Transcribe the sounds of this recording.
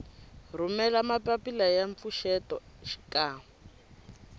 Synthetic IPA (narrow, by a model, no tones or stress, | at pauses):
rumɛlamapapilajaɱp̪fuʃɛtɔ | ʃi̥kaːm